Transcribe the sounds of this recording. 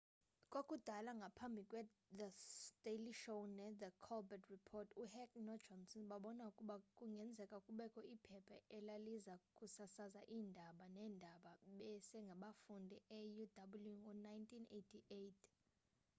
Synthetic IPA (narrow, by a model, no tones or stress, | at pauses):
kʼokʼud̥ʱalaŋɡʱapʰambʱikʼwɛ | d̪ətʼeliʃownɛðəkʰɔlbɛtʰripʰɔtʰuhɛkʼnɔ̥d͡ʒɔnsɔnɓaɓɔnaukʼuɓakʼuŋɡʱɛnd͡zʱɛkʼakʼuɓɛkʰʼɔipʰɛpʰɛɛlalizakʼusasazaʔiːndʱaɓanɛːndʱaɓaɓɛsɛŋɡʱaɓafundʱiɛjudʱaɓuljuŋɔnajntʰinetʰiejtʰ